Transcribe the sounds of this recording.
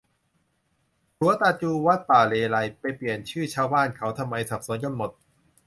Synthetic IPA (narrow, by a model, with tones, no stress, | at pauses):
t̪ʰuː˨˦ɐt̪aː˧t͡ɕuː˧wa˦˥t̪̚paː˨˩leː˧la˧jpa˧jpli˨˩ənt͡ɕʰɯː˥˩t͡ɕʰaː˧wbaː˥˩nkʰa˦˥wt̪ʰa˧mːa˧jsa˨˩p̚su˨˩˦nka˧nmo˨˩t̪̚